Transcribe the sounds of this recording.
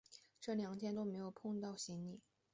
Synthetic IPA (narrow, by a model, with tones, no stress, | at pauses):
ʈ͡ʂɤ˥˩ljɑ˧˥ŋt̪ʰjɛ˥nt̪o˥ʊme˧˥ɪjo˨˩ʊpʰʊ˥˧ŋt̪ɑ˥˩ʊɕi˧˥nli˨˩˦